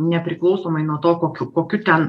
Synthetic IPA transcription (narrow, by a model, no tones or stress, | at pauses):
nʲɛpʲɾʲɪklˠɒʊsoːmɐɪnuɔt̪oːkoːkʲʊkoːkʲʊt̪ʲɛn